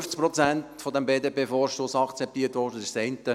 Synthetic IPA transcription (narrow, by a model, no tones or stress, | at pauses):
ft͡sk̚pɾɔt͡sæntfɔdɛmbeːdeːpeːfɔɾʃtosɑkt͡sɛp̚t̪iːətʋɔːdəsɪssɛɪntə